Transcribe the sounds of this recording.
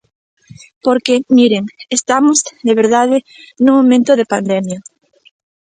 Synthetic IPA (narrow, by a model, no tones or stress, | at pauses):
poɾkemiɾeŋest̪amozðeβ̞eɾð̞að̞e | nũŋmõmẽnt̪oðepand̪emja